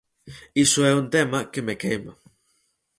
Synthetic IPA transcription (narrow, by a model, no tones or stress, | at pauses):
isoɛunt̪emakemekejma